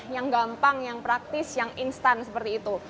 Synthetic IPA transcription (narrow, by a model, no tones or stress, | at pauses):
jaŋɡampaŋjaŋpɾak̚t̪ɪsjaŋinst̪ansəpərt̪iːt̪u